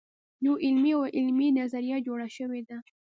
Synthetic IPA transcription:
nuʔɪlmiawʔɪlminazaɾijad͡ʒoɽaʃəwed̪a

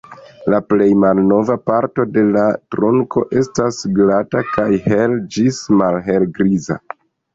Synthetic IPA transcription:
laple̞jmalno̞vapaɾto̞de̞latɾo̞ŋkʰo̞̰ʔe̞stasɡlatakajhe̞ld͡ʒismalɦe̞lɡɾiza̰

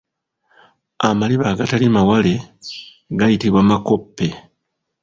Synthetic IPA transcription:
amaliβaːɡatalimawale̞ | ɡajitiβwaːmako̞pːe̞

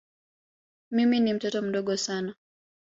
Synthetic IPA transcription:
miminim̩tɔtɔm̩ɗɔɠɔsana

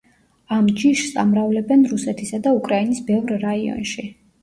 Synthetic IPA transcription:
amd͡ʒiʃsa̰mɾavlɛbɛnɾusɛt̪ʰisad̪aukʼɾainisbɛvɾɾaiɔ̰nʃi

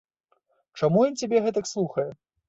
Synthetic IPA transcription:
t͡ʂamujɔnt͡sʲabʲɛɣɛt̪ɐkslˠuxɐjɛ

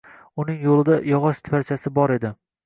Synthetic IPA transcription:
ʊnɪŋjolˠɪd̪ajɒʁɒʃt̪ʰfaɾt͡ʃʰasɪbɒɾe̞d̪ɪ

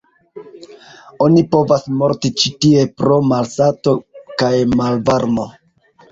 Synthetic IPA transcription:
o̞nipo̞vasmo̞ɾtit͡ʃitie̞pɾo̞malsato̞kajmalvaɾmo̞

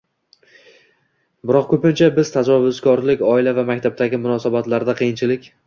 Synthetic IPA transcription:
bɪɾɒqkʰʲɵpɪnt͡ʃʰabɪz̥t̪ʰad͡ʒɒvʊzkɒɾlɪkʲɒɪlavamak̚ʲt̪ʰab̚t̪aɡʲɪmʊnɒsabat̪laɾd̪aqʰɨijɪnt͡ʃʰɪlɪkʲ

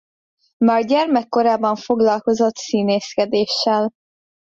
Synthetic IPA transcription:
maːrɟɛrmɛkːo̞ɾaːbɒɱfo̞ɡlɒlko̞zo̞t̪siːneːskɛd̪eːʃːɛl

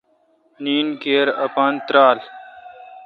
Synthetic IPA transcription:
niːnkeːɾɐpaːnt̪ɾaːl

